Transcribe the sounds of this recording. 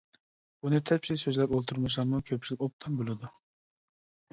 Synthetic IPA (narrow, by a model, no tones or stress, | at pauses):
bunɨt̪ʰɛpʲʃilsøzlæɾolˠt̪ʰuɾmuʃ̬lˠɑɾmukʲʰøp̚t͡ʃʰilɪkʲop̚t̪ʰɑmbolˠɨd̪u